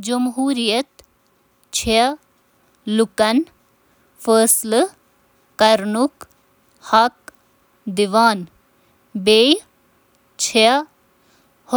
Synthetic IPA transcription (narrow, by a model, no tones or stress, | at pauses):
d͡ʒɐmɦuːɾijɐt̪ | t͡ʃʰɐ | lukɐn | fəːsl | kɐɾnuk | hɐk̚ | d̪iʋaːn | beːj | t͡ʃʰeɐ | h